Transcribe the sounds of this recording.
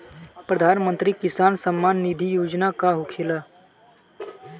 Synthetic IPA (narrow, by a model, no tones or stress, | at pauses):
pɾəd̪ʱaːnmə̃nt̪ɾikɪsaːnsəmːaːnːɪd̪ʱijoːd͡ʒnakaɦʊkʰelaː